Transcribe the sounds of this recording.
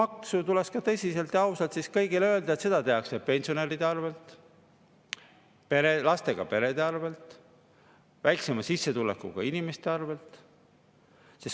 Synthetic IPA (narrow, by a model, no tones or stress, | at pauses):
mɑksut̪uleskɑt̪ɤ̞sʲise̞lt̪jɑɑwsɑlt̪siskɤjɡileø̞ːld̪ɑet̪se̞d̪̥ɑt̪e̞ɑksepenʲsio̞ne̞ɾid̪̥eɑrve̞lt̪ | peɾelɑst̪e̞ɡ̥ɑ̰pe̞ɾe̞d̪e̞ɑrve̞lt̪ˑ | væjksemɑsisːe̞t̪ulḛkːˑṵɡ̥ɑ̰inime̞st̪e̞ɑrve̞lt̪ | sis